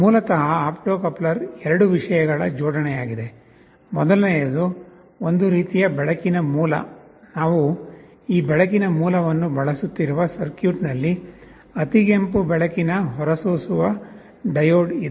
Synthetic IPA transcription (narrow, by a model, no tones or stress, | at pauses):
muːlɐt̪ɐɦɐaːpʈoːkɐplɐɾɛɾɐɽuʋiʂɐjɐɡɐɭɐ̰d͡ʒɔːɽɐnɛjaːɡid̪e̞ | mɔd̪ɐlnɛjɐd̪u | ond̪uɾiːt̪ijɐbɛɭɐkinɐmuːlɐ̰naːʋu | iːbɛɭɐk̬inɐmuːlɐʋɐnːubɐɭɐsut̪ːiɾuʋɐsɐɾkjuːʈnɐlːi | ɐt̪iɡempubɛɭɐkinɐɦɔɾɐsuːsuʋɐ | ɖɐjoːɖid̪e